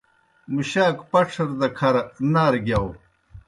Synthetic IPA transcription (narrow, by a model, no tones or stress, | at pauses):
muɕaːkpɐʈ͡ʂʰɐɾd̪ɐkʰɐɾnaːɾɡjaw